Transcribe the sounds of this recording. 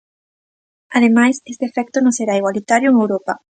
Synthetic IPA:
aðemajsest̪efɛk̚t̪onõseɾaiɣwalit̪aɾjoeŋewɾopa

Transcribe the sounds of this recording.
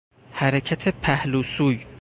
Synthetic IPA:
hæɾecʰæt̪ʰepʰæhluːsuːj

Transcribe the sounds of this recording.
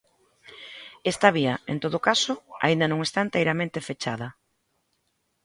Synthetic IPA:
est̪aβiɐḛnt̪oð̞okasoa̰ind̪ɐnõŋest̪aent̪ejɾamẽnt̪efet͡ʃað̞ɐ

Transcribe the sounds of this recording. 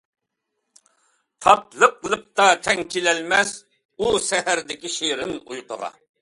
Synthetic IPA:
t̪ʰɑt̪lˠəqlˠəq̚t̪ɑt̪ʰɛŋkʲʰilɛlmɛs | usɛhæɾd̪ɪkʲiʃeɾɪnṵjqʰəʁɑ̰

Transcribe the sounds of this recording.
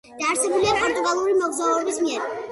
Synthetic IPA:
d̪̥aːɾsɛbuliapʼɔɾt̪ʼuɡʼalˠuɾimɔɡzauɛbismiɛɾ

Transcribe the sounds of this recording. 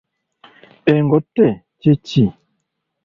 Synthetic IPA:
eŋɡɔtɛ | t͡ʃet͡ʃi

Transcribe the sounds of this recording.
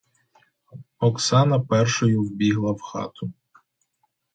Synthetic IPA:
ɔksɑnɐpɛrʃɔjʊwbʲiɦlˠɐwxɑ̰t̪ʰʊ

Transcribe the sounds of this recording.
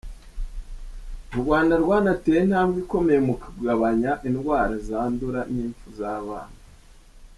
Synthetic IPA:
uɾɡwaːndaɾɡwanateːjen̥haːmɡiko̞me̞jemukuɡɡaβaɲaʔinɡwaːɾazaːnduɾaniːɱfuzaːβa̰ːna

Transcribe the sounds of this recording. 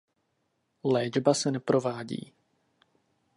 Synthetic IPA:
lɛːd͡ʒbasɛnɛpɾo̞vaːɟḭː

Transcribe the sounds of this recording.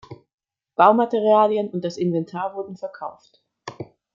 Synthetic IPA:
b̥aʊmateʁ̞iaːljənʊnt̚d̥asɪnvɛntʰaːɐvʊɐdn̩fɛɐkʰaʊft

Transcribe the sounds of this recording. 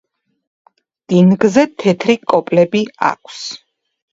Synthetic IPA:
d̪̥inɡzɛt̪ʰɛt̪ʰɾikʼɔpʼlɛbia̰kʰs

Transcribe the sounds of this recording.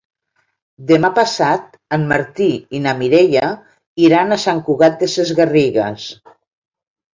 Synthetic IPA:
d̪emapasat̪̚ | əmːaɾt̪iinamiɾeʎa | iɾanasaŋkuɣat̪̚d̪esezɣariɣə̰s

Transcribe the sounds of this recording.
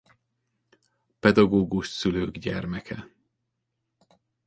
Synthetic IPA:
pɛd̪ɒɡoːɡuʃsyløːɡɟɛ̰rmɛkʰɛ

